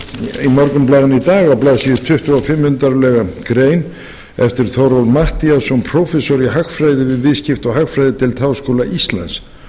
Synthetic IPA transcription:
imɔɾkʏmplaːðɪnʏit̪aːɣawplaːðsiɪt̪ʰʏht̪ʏafɪmːhʏnt̪aɾlɛɣakɾejn | ɛft̪ɪɾ̥θowɾawlmaht̪iasɔmpʰɾɔfɛsɔɾiɦakfɾaːjðɪvɪðvɪðscɪft̪ɔɣɦakfɾajðɪt̪ʰɪlt̪ʰaːwskowlaʔist̪la̰ns

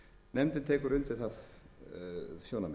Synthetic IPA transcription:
nɛmt̪ɪnt̪ʰɛːkʏɾʏnt̪ɪθav | sjownam

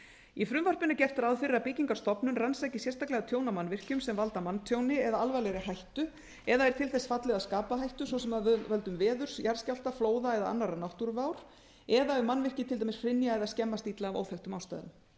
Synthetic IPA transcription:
ifɾʏmvar̥pɪnacɛft̪aɾaðfɪɾapɪciŋkḁɾst̪ɔpnʏnransajcɪsjɛrst̪aklɛɣat̪ʰjoːwnamanvɪr̥cʏmsɛmvalt̪amanːt̪ʰjownɪɛðaalvajlɛɾɪɦajht̪ʏ | ɛðaɛɾ̥t̪ʰɪlθɛsfat̪lɪðaðskaːpaɦajht̪ʏsvɔsɛmaðvɛlt̪ʏmvɛːðʏɾ̥sjaɾ̥scal̥t̪afloːwðaɛðaa̰nːaɾanawht̪uɾvaːwɾ̥ | ɛðaʏmanːvɪr̥cɪt̪ʰɪlt̪ajmɪsfɾɪnjaɛðascɛmːast̪it̪laːvo̰wθɛwht̪ʏmawst̪a̰jðʏ̰n

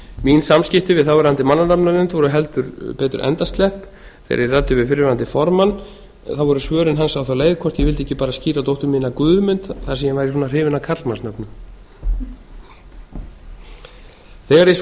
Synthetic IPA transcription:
minsamscɪht̪ɪvɪðθawvɛɾhant̪ɪmanːanapnaɪnt̪vɔɾʏɦɛlt̪ʏɾpɛːt̪ʏɾʔɛ̰nt̪ast̪lɛhp | θḛjɾɪrat̪ːʏvɪðfɪɾɪɾant̪ɪfɔɾmanː | θawvɔɾʏsvœːɾʏnɦansawθawleːjðkʰvɔr̥t̪jɛvɪlt̪ɪi̥cːɪpaːɾasciːɾat̪owht̪ʏɾmiːnakvʏːðmʏnt̪θḁsɛmjɛvajɾɪs̬ɔːnar̥ɪːvɪnakʰat̪lmansnœpnʏm | θɛːɣaɾjɛ

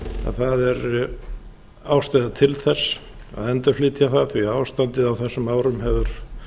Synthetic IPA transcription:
a̰ðθaðɛɾ | aːwst̪ajðat̪ʰɪlθɛsː | a̰ðɛnt̪ḁfliːt̪jaθaθviaːwst̪ant̪ɪðawθɛsːʏmaːwɾʏmhɛvʏɾ̥

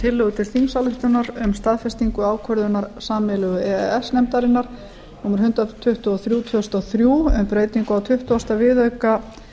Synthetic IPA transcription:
t̪ʰɪlːœɣʏt̪ʰɪlθimsalʏht̪ʏnaɾʏmst̪aðfɛst̪iŋkʏaːwkʰœɾðʏnaɾsaːmɛlʏɣʏɛɛɛsnɛmt̪aɾɪnːaɾ̥ | nuːmʏɾ̥hʏnt̪at̪ʰʏht̪ʏaθɾjuːt̪ʰʏst̪awθɾjuːʏmpɾeːjt̪niŋkʏawt̪ʰʏht̪ʏast̪avɪðœɥka

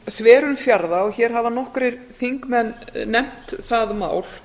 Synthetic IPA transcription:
θvɛːɾʏmfjaɾðaɔɣçɛɾ̥ɦavanɔhkɾɪɾ | θiŋkmɛnːɛm̥t̪θaðma̰ːwl̥

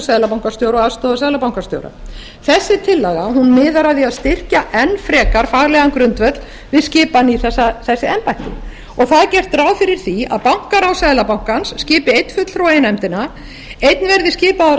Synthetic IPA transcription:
saːðlapawŋkḁst̪joːwɾɔɣaðst̪oðasaðlapawŋkast̪jo̰wɾa̰ | θɛsːɪt̪ʰɪlːɛɣahunmɪːðaɾaðiaðst̪ɪr̥caʔɛnːfɾɛːkaɾ̥faːɣlɛɣankɾʏnt̪vœt̪l̥ | vɪðscɪːpaniθɛsːaθɛsːɪɛmpajht̪ɪ̰ | ɔɣθaðcɛr̥t̪ɾaːwfɪɾɪɾ̥θia̰ðpawŋ̥kaɾawsajðlapawŋ̥kansːcɪːpɪejt̪n̥fʏt̪l̥fɾawejnɛmt̪ɪna | ejt̪nvɛɾðɪscɪːpa

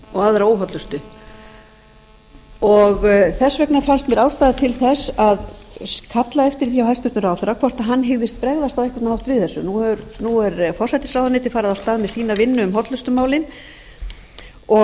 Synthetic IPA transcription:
ɔɣaðaɾaoːwɦɔt̪lʏst̪ʏ | ɔɣθɛsvɛknafanst̪mjɛɾaːwst̪aːðat̪ʰɪlθɛsaðkʰat̪laɛft̪ɪɾ̥θiawhalst̪ʏɾt̪nʏɾaw̪ɛɾakʰvɔr̥t̪aɦanːɦɪɣðɪst̪̚pɾɛɣðast̪awɛhkvat̪nhawht̪vɪðθɛsːʏnuʏɾnuɛɾfɔrsajt̪ɪ̥sɾawðanɪːt̪ɪ̥faːɾaðawst̪aːðmɛðsiːnavɪnːʏʏmɦɔt̪lʏst̪ʏmaːwlɪn | ɔ

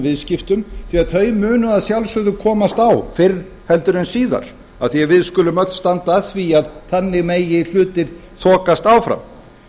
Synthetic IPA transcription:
vɪðscɪft̪ʏmθiaðθʰœːɥmʏːnʏaðsjawlsʏðʏkʰɔːmast̪awfɪr | hɛlt̪ʏɾɪnsiːða̰ɾ̥ | a̰ðθijɛavɪðskʏlʏmœt̪st̪ant̪aθviaðθanːɪɣmeːjɪl̥ʏːt̪ɪɾ̥ | θʰɔːkast̪awfɾa̰m

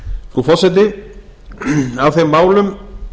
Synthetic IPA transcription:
fɾufɔsɛt̪ɪ | awθejmːaːwlʏm

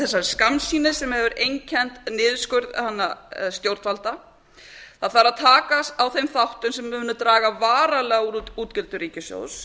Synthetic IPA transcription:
θɛsːaskamnsiːnɪsɛmhɛvʏɾejɲcʰɛnt̪nɪːðskʏɥɾða̰hanːast̪jowɾt̪falt̪a | θaðθaɾaðt̪ʰaːkast̪awθejmθawht̪ʏmsɛmvɪvɪnːat̪ɾaːɣavaːɾalɛːɣauɾuːt̪uːt̪cɪlt̪ʏɾiːcɪsjo̰ws

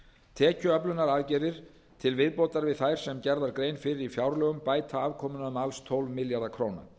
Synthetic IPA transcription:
t̪ʰɛːcʏœplʏnːaɾaːðcɛðɪɾ̥ | t̪ʰɪlvɪðpowt̪aɾvɪðθajɾ̥sɛmcɛɾðaɾkɾeːjnfɪɾɪɾifjawɾlœːɣʏmpaːjt̪ʰaaːvkʰɔːmʏnaʏmalst̪ʰowlvmɪljaɾðakʰɾoːwna̰

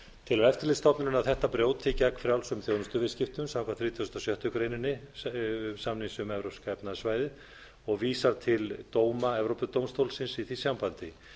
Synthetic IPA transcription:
t̪ʰɪlɛft̪ɪɾlest̪ɔpnɪnʏnawθɛht̪ːapɾjowt̪ʰɪcakfɾjawlsʏmθjowðʏst̪ʏvɪscɪft̪ʏmsawkvanθɾiːt̪ʰjsœ̥t̪asjœht̪ʏkɾeːjnɪnːɪ | samnisʏmɛvɾowskɛpnasvaːjðɪ | ɔɣviːsaɾt̪ʰɪlt̪oːwmaɛvɾowpʏt̪owmst̪owlsɪnsiθisjampant̪ɪ

